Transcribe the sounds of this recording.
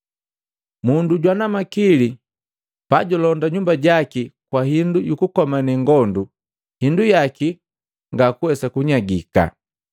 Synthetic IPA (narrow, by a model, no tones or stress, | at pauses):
munduɟwanamakili | paɟɔlɔndaɲumbaɟakikwahindujukukɔmaniŋɡɔndu | hindujaki | ŋɡakuwɛsakuɲaɡika̰